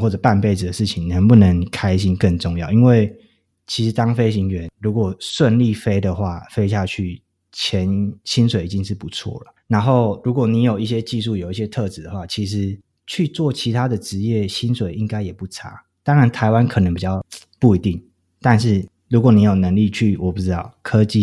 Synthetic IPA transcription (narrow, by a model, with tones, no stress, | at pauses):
wɔ˥˩ʈ͡ʂɤ˨˩pa˥˧npe˥˩ɪd͡z̩˨d̪ə˩ʂɻ̩˥˩t͡ɕʰi˨˩ŋnə˧˦ŋpu˥˩nə˧˦ŋkʰa˥ɪɕi˥nkə˥˧nʈ͡ʂʊ˥˧ŋjɑ˥˩ʊi˦˥nwe˥˩ɪ | t͡ɕʰi˧˥ʂɻ̩˧˦t̪ɑ˥ŋfe˥ɪɕi˧˥ŋɥɛ˧˦nɻu˧˥kwɔ˨˩ʂwə˥˧nli˥˨fe˥ɪd̪ə˨xwa˥˩fe˥ɪɕ̬ja˥˧t͡ɕʰy˥˩ | t͡ɕʰjɛ˨˦nɕi˥nswe˨˩ɪi˨˩t͡ɕi˦ŋʂɻ̩˥˩pu˧˦t͡sʰwɔ̰˥˩lə˩na˧˥nxo˥˩ʊɻu˧˥kwɔ˨˩ni˧˥jo˨˩ʊi˥˩ɕjɛ˦t͡ɕi˥˧ʂ̬u˥˩jo˨˩ʊi˥˩ɕjɛ˦˥t̪ʰɤ˥˨t͡s̩˨˩d̪ə˨xwa˥˩t͡ɕʰi˧˥ʂ̬ɻ̩˧˦ | t͡ɕʰy˥˧t͡swɔ˥˩t͡ɕʰi˧˥t̪ʰa˥d̪ə˨ʈ͡ʂɻ̩˧˥jɛ˥˩ɕi˦˥nswe˨˩ɪi˦ŋka˥ɪjɛ˨˩pu˥˩ʈ͡ʂʰa˥ | t̪ɑ˥ŋɻa˧˦nt̪ʰa˧ɪwa˦nkʰɤ˨˩nə˧˦ŋpi˨˩t͡ɕjɑ˥˩ʊpu˥˩i˨˧˥t̪i˥˩ŋ | t̪a˥˧nʂ̬ɻ̩˥˩ | ɻu˧˥kwɔ˨˦ni˨˥jo˨˩ʊnə˧˦ŋli˥˧t͡ɕʰy˥˩wɔ˨˩pu˥˩ʈ͡ʂɻ̩˦t̪ɑ˥˩ʊkʰɤ˦t͡ɕi˥˧